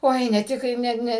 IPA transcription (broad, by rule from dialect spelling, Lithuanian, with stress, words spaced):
ˈoːɪ nʲɛ ˈtʲɪk kɐɪ ˈnʲɛ ˈnʲɛ